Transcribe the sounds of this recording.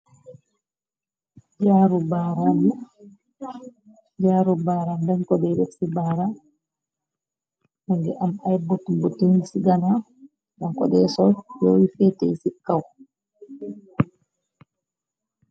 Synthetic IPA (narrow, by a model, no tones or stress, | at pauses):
d͡ʒaɾubaːɾanu | d͡ʒaːɾubaɾandɛnkɔdɛɾeksibaɾa | mɛŋɡɛʔamajbotːumbɔtensiɡana | dankɔ̰ɗɛsɔjɔwifɛtejsikːaw